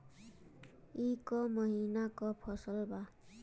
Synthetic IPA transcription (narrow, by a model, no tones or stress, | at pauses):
ikɔmʌɦinakɔpʰʌsʌlba